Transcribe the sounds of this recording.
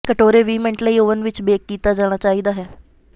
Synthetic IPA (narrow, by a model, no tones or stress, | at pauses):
kəʈoːɾeːʋiːmɛ̃ɳʈləiːoːʋənʋɪt͡ʃbeːkːiːt̪aːd͡ʒaːɽ̃aːt͡ʃaːiːd̪aːɦɛː